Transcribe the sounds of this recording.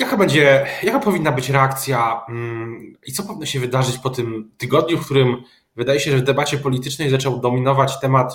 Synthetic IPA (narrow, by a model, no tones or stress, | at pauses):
jakabɛɲd͡ʑɛjakapɔvʲinːabɘt͡ɕɾɛakt̪sʲja | it̪sɔpɔvʲinːɔɕɛvɘd̪aʐɘt͡ɕpɔt̪ɘmt̪ɘɡɔd̪ɲufkt̪uɾɘm | vɘd̪ajɛɕɛʐɛvd̪ɛbat͡ɕɛpɔlʲit̪ɘt͡ʂnɛjzat͡ʂɛwd̪ɔmʲinɔvat͡ɕt̪ɛmat̪